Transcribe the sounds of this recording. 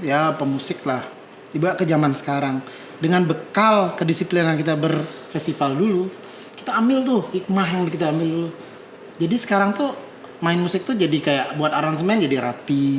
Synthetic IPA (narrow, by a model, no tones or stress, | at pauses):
japəmusɪk̚lah | dibuaʔkəd͡ʒamansə̥kaɾaŋ | dəŋanbəkalkədisiplinankit̪abərfɛst̪ifaldulu | ki̥t̪aːmɪlt̪ʊhik̚maɦjaŋbkit̪aːmɪldulu | d͡ʒadisə̥kaɾaŋt̪u | maɪnmusɪk̚t̪ud͡ʒadikajaʔbuat̪aɾans̬əmaɪnd͡ʒadiɾʔapi